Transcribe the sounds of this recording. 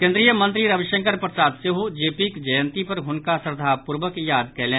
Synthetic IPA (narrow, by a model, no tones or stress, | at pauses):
kẽːnd̪ɾijəmɐ̃nt̪ɾiɾɐʋɪʃə̃ŋkəɾpɾəsaːt̪seɦud͡ʒeːpikd͡ʒɐjə̃nt̪ipɐɾɦʊnkasəɾd̪ʱaːpʊɾʋəkjaːd̪kɛːlẽː